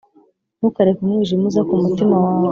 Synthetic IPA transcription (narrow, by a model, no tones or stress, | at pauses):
mukaɾekumŋiːʒimuzakumutimawaː